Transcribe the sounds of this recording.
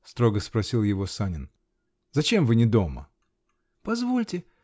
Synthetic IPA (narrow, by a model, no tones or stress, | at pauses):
st̪ɾo̞ɡəspɾɐsʲilˠjɪvo̞sanʲɪn | zɐt͡ɕe̞mvɨnʲɪd̪o̞mə̰ | pɐzvo̞lʲtʲɪ